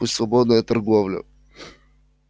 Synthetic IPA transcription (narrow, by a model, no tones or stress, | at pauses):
ʊsvɐbɔd̪nəjət̪ɐɾɡɔvlʲə̰